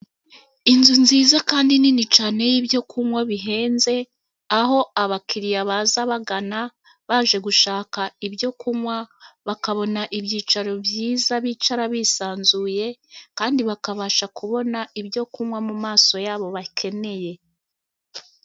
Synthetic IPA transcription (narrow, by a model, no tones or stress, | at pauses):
inzunziːzakaːndininit͡ʃaːne̞jibjo̞kʰumwaβiɦe̞ːnze̞ | aho̞aβakʰiɾijaβazaβaɡana | βaːʒe̞ɡuʃaːkaibjo̞kumwaβakaβo̞naʔibjiːt͡ʃaɾo̞bjiːzaβit͡ʃaɾaβisaːnzuːje̞kaːndiβakaβaːʃakuβo̞naibjo̞kumwamumaːso̞jaːβo̞βakʰe̞ne̞je̞